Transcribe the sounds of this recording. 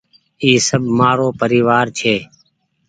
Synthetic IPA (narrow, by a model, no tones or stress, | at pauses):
iːsəbʱmaːɾoːpəɾiːʋaːɾt͡ʃʰeː